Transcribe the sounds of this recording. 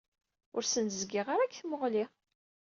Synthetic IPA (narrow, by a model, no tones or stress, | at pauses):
ʊɾsənzɡɪʁaɾakːθməʁli